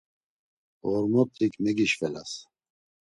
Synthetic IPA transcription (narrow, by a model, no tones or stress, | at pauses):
ɔɾmɔp̪̚ikʰʼmɛɡiʃvɛla̰s